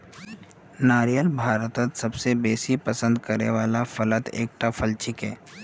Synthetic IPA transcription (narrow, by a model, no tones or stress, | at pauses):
naːɾijəlbʱaːɾət̪ət̪sɐbsebeːsipəsə̃nd̪kəɾnḛʋaːlafələt̪ḛːk̚ʈafʰəlt͡ʃʰɪkɦɛ̰ː